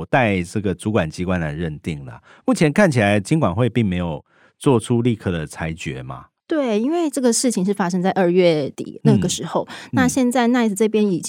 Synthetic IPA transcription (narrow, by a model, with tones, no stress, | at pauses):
t̪a˥˧ɪʈ͡ʂɤ˥˩ɡə˩t͡su˧˥kwa˨˩nt͡ɕi˧˥kwa˦nə˨˩ɻə˥˧nt̪i˥˩ŋlə̰˩ | mu˥˩t͡ɕʰjɛ˧˦nkʰa˥˩nt͡ɕʰi˨la˨˧˦ɪt͡ɕi˥ŋkwa˨˩nxwe˥˧ɪpi˥˩ŋme˧˥ɪjo˨˩ʊ | t͡swɔ˥˨˩ʈ͡ʂʰu˦li˥˧kʰɤ˥˩d̪ə˩t͡sʰa˧˥ɪt͡ɕɥɛ˧˥ma̰˨ | t̪we˥˩ɪi˥nwe˥˧ɪʈ͡ʂɤ˥˩ɡə˩ʂɻ̩˥˩t͡ɕʰi˨˩ŋʂ̬ɻ̩˥˩fa˥ʂɤ˥ŋt͡sa˥˧ɪʔə˥˧ɥɛ˥˩t̪ḭ˨˩na˥˩ɡə˩ʂɻ̩˧˥xo˥˧ʊna˥˧ɕjɛ˥˧nt͡sa˥˧ɪna˥˧ɪ˧t͡s̩˧˩t͡sɤ˥˩pjɛ˥ni˨˩